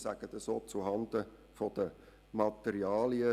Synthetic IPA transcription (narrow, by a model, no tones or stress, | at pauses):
sæɡ̥ət̪əsoːt͡suɦɑnd̪ə | fɔd̥̪ə | mɑt̪ɛɾiɑːliə